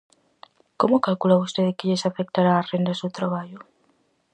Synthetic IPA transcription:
komokalkulaust̪eðekeʎesafek̚t̪aɾaːrend̪asuwt̪ɾaβ̞aʎo

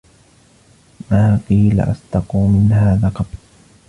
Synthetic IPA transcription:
maːqiːla̰ʔa̰st̪ɑquːmɪnhaːðaqɑb

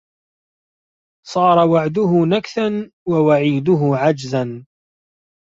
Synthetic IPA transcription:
sˤɑːɾˤɑwaʕd̪ʊɦʊnakθanwawaʕiːd̪ʊɦʊʕad͡ʒzan

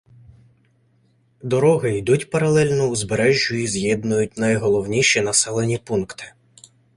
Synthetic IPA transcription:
d̪ɔɾɔɦɪid̪utʲpɐɾɐlˠɛlʲnɔuzbeɾɛʒʲʊizjɛd̪nʊjʊt̚ʲnɐjɦɔlˠɔwnʲiʃinɐsɛlˠenʲipunkt̪ɪ̥

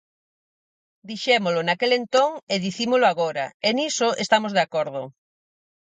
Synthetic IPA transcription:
d̪iʃemolʊnakelent̪oŋeðiθimoloaɣ̞oɾaenisoʔest̪amozðeakoɾð̞ʊ

